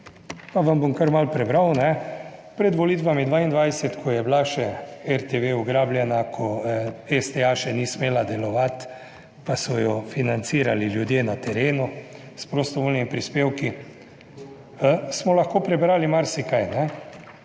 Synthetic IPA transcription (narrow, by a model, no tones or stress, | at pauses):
paʋambomkəɾmalpɾɛbɾawnɛpɾɛd̪ʋɔliːt̪ʋamid̪ʋaind̪ʋajsɛt̪kʰɔjɛblaʃɛɛɾt̪eʋeuɡɾaːbljɛnakʰɔɛst̪eaʃɛnismeːlad̪ɛlɔʋat̪ | pasɔjɔfinansiːɾaliljud̪jeːnat̪ɛɾeːnu | spɾost̪ɔʋoːlnimipɾispeːwki | smɔlɐxkoːpɾɛbɾaːlimaɾsikajnɛ